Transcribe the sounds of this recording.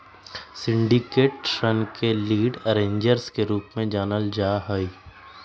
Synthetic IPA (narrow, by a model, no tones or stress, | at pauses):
sɪ̃ɳɖɪkeːʈ̚ɾənkʰeliːɖəɾẽːɲd͡ʒəɾskeɾuːpmẽd͡ʒaːnəld͡ʒaːɦəiː